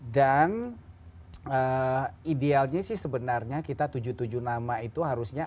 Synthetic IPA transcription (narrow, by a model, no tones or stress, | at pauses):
dan | əidealɲasɪhsəbənarɲakit̪at̪ud͡ʒut̪ud͡ʒunamait̪uɦaɾusɲa